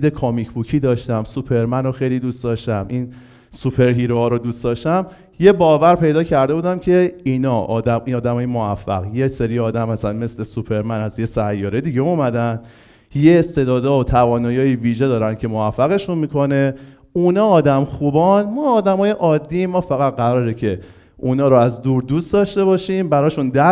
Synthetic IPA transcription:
d̪ekʰomicʰbucʰiːd̪ɒːʃt̪æmsupʰeɾmænoxejlid̪uːst̪d̪ɒʃt̪æmʔin | supʰe̞ɾɦiːɾoɒːɾod̪uːst̪d̪ɒːʃt̪æm | je̞bɒːvæɾpʰe̞jd̪ɒːcʰæɾd̪e̞buːd̪æmcʰe̞inɒʔɒːd̪æmiɒːd̪æmɒːjemoæfːæ̰ɣjeseɾiɒːd̪æmæsænme̞sle̞supʰe̞ɾmænæzjesæjːɒːɾed̪iɟeumæd̪æn | jeːst̪e̞d̪ɒːd̪ɒːot̪ʰævɒːnɒːjɒːiviːʒe̞d̪ɒːɾæncʰe̞moæfːæɣe̞ʃunmiːkʰo̞ne̞ | unɒːd̪æmxubɒnmɒːd̪æmɒːjeʔɒːd̪ːimɒːfæɣæt̪̚ɢæɾɒːɾecʰe̞ | unɒːɾoæzd̪uːɾd̪uːsd̪ɒʃt̪e̞βɒʃimbæɾɒːʃund̪æ

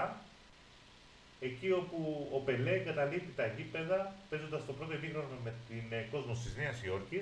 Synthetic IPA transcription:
e̞cio̞puope̞leɡɐt̪ɐlipt̪it̪ɐet̪ipe̞ðɐfe̞zo̞nd̪ɐst̪o̞pɾot̪o̞epixɾonome̞t̪inko̞zmost̪izneɐsio̞ɾçi

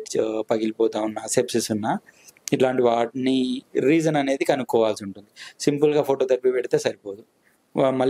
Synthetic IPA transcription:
pɐɡilipɔːt̪aːunːasepsisunːaiʈlaːɳʈiʋaːʈniɾiːd͡ʒɐnɐne̞ːd̪ikɐnukːɔːʋaːlsiuɳʈund̪isimpulɡaːpʰoːʈoːt̪ɐɾpipeɽit̪e̞ːsɐɾipoːd̪u | mɐl

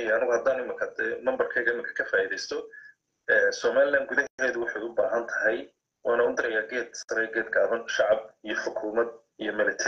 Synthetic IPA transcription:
jɐnɪɣʊhɐd̪aːnʊɪmɪkʰɐd̪ɛmɐmbɐrkʰɛjɣɐɪmɪŋkʰɐ̥kʰɐfaːiðɛjst̪ʰɔ | ɛːnsɔːmaːlɪlaːnd̪̚ɡʊðɐɦɛːðʊwʊħɑjʊbaːɦɐnt̪ʰɐɦɛj | wɑːnɐʊd̪ɪɾɛjaːɡɛːd̪̚sɐɾɛjɡɛːd̪ɡaːβɐnʃɑʕɑb̚ijɔħʊkʰuːmɐd̪ | ijɔmɪlɛt̪ʰ

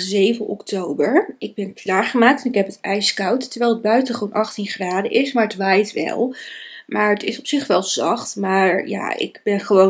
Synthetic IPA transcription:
zejvənʔɔ̰ktowbəɹʔɪɡ̚bɛnklaːɹχəmaːk̚tɛnɪkɦɛpətɛjskɑwttəɹʋɛjlˠəd̚bœɥtəχəʋownʔɑχtinχraːdəʔɪsmaːɹətʋajtʋɛ̰lˠmaːɹətɪsɔpsɪχʋɛlˠz̥ɑχtmaːɹja̰ɪ̰kbɛnχəʋo

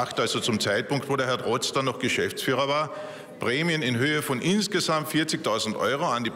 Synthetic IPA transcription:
axtalzot͡sʊmt͡saɪt̚pʊŋktvoːdeːɐɦɛɐtʁɔt͡stɐnɔχɡ̥əʃɛft͡sfyːʁ̞ɐvaːɐ | pʁɛːmiənɪnɦøːəfɔnʔɪnsɡ̥əzamtfɪɐt͡sɪçtʰaʊzn̩tʔɔ̰ʏʁoandiː

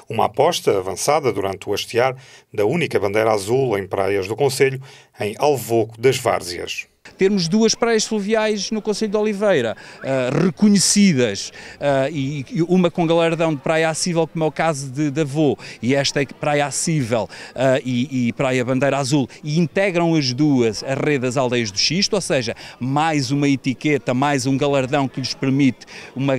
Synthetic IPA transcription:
uma̰pɔʃt̪ɐɐvɐ̰̃saðɐðuɾɐ̃nt̪uɐʃt̪iaɾd̪ɐunikɐβɐ̃nd̪ɐjɾazulˠɐ̃j̃pɾa̰jɐʒðukõseʎu | ɐ̃j̃alˠvoɣuðɐʒva̰ɾziɐ̰ʃ | t̪eɾmuʒd̪uɐʃpɾajɐʃflˠɨviajʒnukõseʎud̪ɔlˠivɐjɾɐaʁɨkuɲɨsiðɐʃaiumɐkõɡɐlˠɐɾðɐ̃w̃d̪ɨpɾajɐasivɛlˠkomɛwkazuðɨd̪ɐvoiɛʃt̪ɐɛkpɾajasivɛ̰lˠaiːpɾajɐβɐ̃nd̪ɐjɾazulˠiĩnt̪ɛɣɾɐ̃w̃ɐʒðuɐzɐʁeððɐzalˠd̪ɐjɐʒðuʃiʃt̪oseʒɐmajzumɐit̪iket̪ɐmajzũɡɐlˠɐɾðɐ̃w̃kɨʎɨʃpɨɾmit̪umɐ

